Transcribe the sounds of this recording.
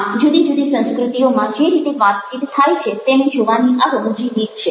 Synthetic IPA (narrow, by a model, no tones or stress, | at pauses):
d͡ʒud̪id͡ʒud̪isə̃nskɾut̪ijomãd͡ʒeɾit̪eʋat̪̚t͡ʃit̪t̪ʰːajt͡ʃʰet̪emẽd͡ʒoʋaniʔaɡəmd͡ʒilikt͡ʃʰe